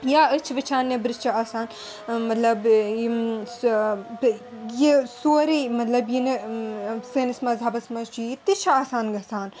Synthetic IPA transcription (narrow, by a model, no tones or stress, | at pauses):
jaːət͡ʃʰʋɐt͡ʃʰaːnːebɾɨst͡ʃʰiaːsaːn | mɐt̪lɐb | jisoːɾimɐt̪lɐbjine | senɐsmɐzɐbɐsmɐt͡ʃʰuit̪it͡ʃʰaaːsaːnɡɐsaːn